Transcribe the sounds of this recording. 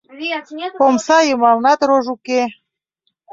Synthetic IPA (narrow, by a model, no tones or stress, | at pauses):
pomsɑjəmɑlnɑt̪roʒuke